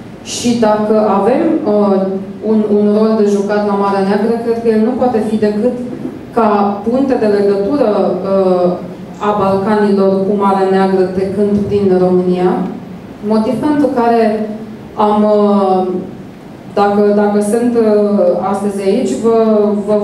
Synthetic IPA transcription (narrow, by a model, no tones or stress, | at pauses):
ʃid̪akəʔave̞məununro̞ld̪e̞ʒukat̪lamaɾeaneaɡɾəkɾe̞d̪̚kəje̞lnupoat̪e̞fid̪e̞kɨt̪ | kapuŋkt̪e̞d̪e̞le̞ɡət̪uɾəə | abalkanilo̞rkumaɾeaneaɡɾəd̪e̞kɨnp̪d̪inro̞mɨnia | mo̞t̪ivpe̞nt̪ɾukaɾe̞ | amə | d̪akəd̪akəsɨnt̪əast̪əzʲait͡ʃʲvəvə